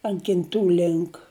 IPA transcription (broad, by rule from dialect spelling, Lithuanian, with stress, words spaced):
ɐnt kʲɪnˈtuː ˈlʲɪŋk